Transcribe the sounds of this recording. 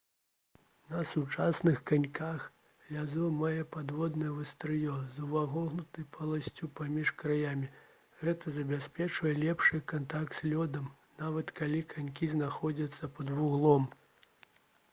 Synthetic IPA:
nɐsut͡ʂasnɨxkanʲkax | lʲazɔmajɛpad̪vɔd̪nɐjɛvɨst̪ɾɨjɔzɐwvaɣɔɣnut̪ɨjpʰɐlˠasʲt͡sʲupamʲiʂkɾajamʲi | ɣɛt̪ɐzɐbʲaspʲɛt͡ʂvɐjɛlʲɛpʂɨkant̪akt̪sʲlʲɔd̪ɐm | navɐt̪kalʲikʰanʲkʲiznaxɔd͡zʲɐt̪sːɐpɐd̪vuɣlˠɔm

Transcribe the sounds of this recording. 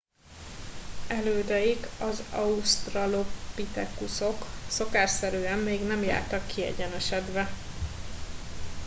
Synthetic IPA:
ɛløːd̪ɛjiɡɒzɒust̪rɒlo̞pit̪ɛkːuso̞kso̞kaːʃsɛɾyːɛmːeːɡnɛmja̰ːrt̪ɒkːiɛ̰ɟɛnɛʃɛd̪ʋɛ

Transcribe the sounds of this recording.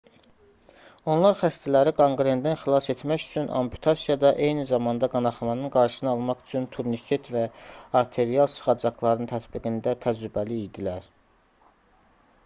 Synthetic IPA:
o̞nlˠɑɾχæst̪ʰælæɾiɡoŋɡɾend̪ænxilˠɑse̞t̪mæcy̥t͡ʃʰynʔɑ̰mpʰu̥t̪ʰɑsijɑd̪ɑʔe̞jnizɑmɑnd̪ɑɡɑnɑχɑmɑnɯnɡɑɾʃɯ̥sɯnɯɑlˠmɑχy̥t͡ʃʰynt̪ʰuɾnikʰet̪væɑɾt̪ʰe̞ɾijɑlˠsɯ̥χɑd͡ʒɑklˠɑɾɯnt̪ʰæt̪biɡind̪æt̪ʰæd͡ʒɾybæliid̪ilæɾ

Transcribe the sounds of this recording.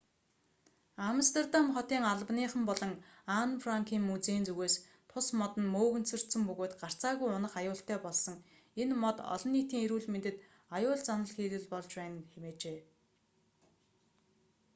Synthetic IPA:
amst̪ʰert̪amχɔt̪iːŋaɮə̆pniːχə̆mpɔɮɞ̆ŋanfraŋkʰiːŋmut͡seːnt͡sɵɣeːs | t̪ʰʊsmɔt̪ə̆nmoːɣɘ̆nsɵ̆r̥t̪sɘ̆mpɵɣoːt̪ɢar̥t͡saːɣujʊnə̆χajʊːɬt̪æːpɔɮsɞ̆ŋ | enmɔt̪ɔ̰ɮɞ̆nːiːt̪iːŋeɾuːɮment̪ɘ̆t̪ | ajʊːɮt͡sanə̆ɮxiːt̪ɘ̆ɮpɔɮt͡ɕpæːnxemeːt͡ɕeː

